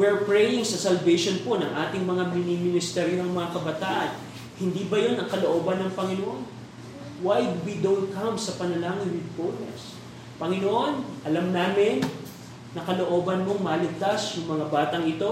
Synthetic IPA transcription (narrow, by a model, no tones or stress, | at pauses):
wɛɹpɹɛjɪŋsɐsɐlvejʃonpo̞nɐŋʔaːt̪ɪŋmɐŋamɪnimɪnɪst̪ɛɾjohɐŋmɐŋakɐbɐt̪aːʔɐn | hɪnd̪ibɐjo̞nɐŋkɐlo̞ʔoːbɐnːɐŋpɐŋɪnoʔon | wajd̪wid̪onkɐmsɐpɐnɐlaːŋɪnwɪd̪̚konɛ̰s | pɐŋɪnoʔo̞nʔɐlɐmnaːmɪnː | ɐkɐlo̞ʔo̞ːbɐnmo̞ŋmɐlɪɡ̚t̪asjʊŋmɐŋabaːt̪ɐŋɪt̪o̞